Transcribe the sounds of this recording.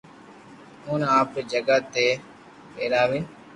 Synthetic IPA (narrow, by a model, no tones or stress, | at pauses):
oːnaːpɾd͡ʒəɡəːt̪eː | peːɾaːʋiːn